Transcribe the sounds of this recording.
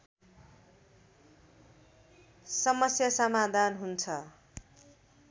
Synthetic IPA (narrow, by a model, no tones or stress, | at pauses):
sʌmʌsjasʌmad̪ʱanɦunt͡sʰʌ